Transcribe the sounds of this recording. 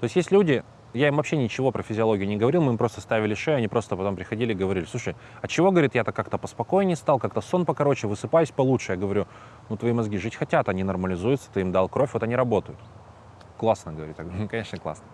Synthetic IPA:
t̪oɪsʲtʲjesʲtʲlʲudʲɪ | jaimvɐpɕːe̞nʲɪt͡ɕɪvo̞pɾəfʲɪzʲɪɐlˠo̞ɡʲɪʊnʲɪɡəvɐɾʲilˠmɨimpɾost̪ə̥st̪avʲɪlʲɪʂejʊɐnʲipɾo̞st̪əpɐt̪o̞mpɾʲɪxɐdʲilʲɪɡəvɐɾʲilɪsˠuʂəj | ɐt͡ɕɪvo̞ɡəvɐɾʲit̪jat̪akːakt̪əpəspɐko̞ɪnʲɪst̪alˠkak̚t̪əso̞npəkɐɾo̞t͡ɕɪvɨsɨpajʊsʲpɐlˠutʂɨjaɡəvɐɾʲu | nut̪vɐimɐzɡʲiʐɨtʲxɐtʲat̪ɐnʲinɐrməlʲɪzujɪt̪sə̥t̪ɨimd̪alˠkɾo̞fʲvo̞t̪ɐnʲiɾɐbo̞t̪əjʊt̪ | klˠasnəɡəvɐɾʲit̪akɐnʲe̞ʂnəklˠa̰snə

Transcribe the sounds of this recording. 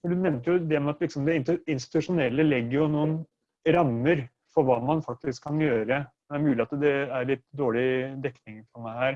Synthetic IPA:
fɔɖʉnɛmnt̪əjʊd̪ɛmɛɑt̪lɪksɔmd̪ɛɪnt̪ɪnst̪ɪ̥t̪ʉʂʊnɛlːəlɛɡːəɾjʊnuːən | ɾɑmːəɾ | fɔɾʋɑːmɑnfɑk̚t̪ɪskʰːɑnjøːɾə | d̪ɛæɾmʉːlɪɑt̪d̪ɛæɾɭɪt̪ːd̪oːɭɪd̪ɛkːnɪŋfɔɾmæɪhæːɾ

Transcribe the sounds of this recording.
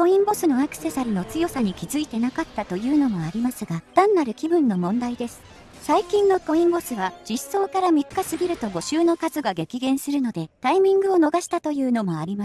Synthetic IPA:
kõ̞ĩmbo̞sɨno̞akɯ̟̥se̞saɾʲino̞t͡sɨjo̞saɲ̟ikʲizɨit̪e̞nakat̪ːat̪o̞jɯ̟ːno̞mo̞aɾʲimasɨɡad̪̥ãnːaɾɯ̟kʲibɯ̟̃nːo̞mõ̞nd̪aid̪e̞sɨ̥ | saikʲĩnːo̞ko̞ĩmbo̞sɨβad͡ʑ̥isːo̞ːkaɾamʲikːasɨɡʲiɾɯ̟t̪o̞ɡo̞ɕɨːno̞kazɨɡaɡe̞kʲiɡẽ̞ɰ̃sɨɾɯ̟no̞d̪e̞t̪aimʲĩŋɡɯ̟o̞no̞ɡaɕi̥t̪at̪o̞jɯ̟ːno̞mo̞aɾʲima

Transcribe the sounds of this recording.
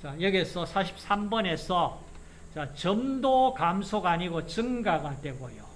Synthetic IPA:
t͡ɕajʌɡiesʰʌsʰaɕʰi̥p̚s͈ambʌne̞sʰʌ | t͡ɕat͡ɕʌmdokamsʰoɡaaɲiɡot͡ɕɯŋɡaɡadwe̞ɡojo

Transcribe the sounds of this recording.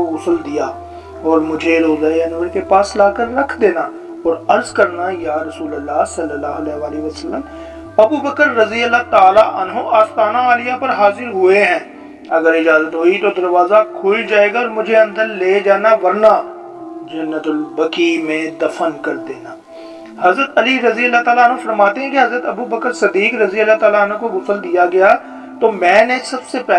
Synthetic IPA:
ʊsəld̪ɪjaː | ɔːɾmʊd͡ʒʱeɾoːzaːanʋəɾkepaːslaːkəɾːəkʰd̪eːnaː | ɔːɾəɾzkəɾnajaːɾəsuːləlːaːsəlːəlːaːɦəlɛːɦʋaːliʋəsəlːəm | ɐbubəkəɾːəziəlːaːt̪aːlaʔɐnɦoʔaːst̪aːnaaːlɪjapəɾɦaːzɪɾɦʊeɦɛ̃ː | ɐɡəɾɪd͡ʒaːzət̪ɦoːit̪od̪ɐɾʋaːzakʰoːld͡ʒaːeːɡaɔːɾmʊd͡ʒʱeɐ̃nd̪əɾleːd͡ʒaːnaːʋɐɾnaː | d͡ʒɐnːət̪lbəkiːmẽːd̪ɐfʰənkɐɾd̪eːnaː | hɐzɾət̪ɐliɾɐziəlːaːt̪aːlaːnɦõfɐɾmaːt̪eɦɛ̃keɦɐzɾət̪ɐbubəkəɾsɪd̪ːiːkɾɐziəlːaːt̪aːlaənɦõkoɡʊsəld̪ijaɡɐjaː | t̪oːmɛ̃ːnesɐbsepɛ

